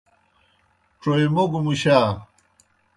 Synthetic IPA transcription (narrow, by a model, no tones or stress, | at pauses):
ʈ͡ʂojmoɡmuɕa